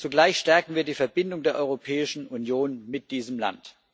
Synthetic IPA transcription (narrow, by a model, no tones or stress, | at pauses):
t͡suɡlaɪçʃtɛɐkŋ̩viːɐdiːfɛɐbɪndʊŋdeːɐʔɔʏʁopʰɛːɪʃn̩ʔunjoːnmɪt̚d̥iːzəmla̰nt